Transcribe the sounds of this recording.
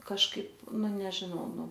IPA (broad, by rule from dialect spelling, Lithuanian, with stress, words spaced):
kɐʃˈkɐɪp ˈnʊ nʲɛʒʲɪˈnɐʊ ˈnʊ